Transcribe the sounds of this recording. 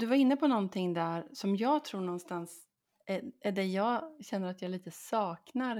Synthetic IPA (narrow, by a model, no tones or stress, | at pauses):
d̪ɵvaɾɪnːəpʰɔnɔnt̪ʰɪŋːd̪æɾsɔmjɑːɡt̪ʰɾuːɳɔnːst̪ans | ææɖɛjɑːɡɕɛnːəɾat̪jɑːɡliːt̪əsɑːknaɾ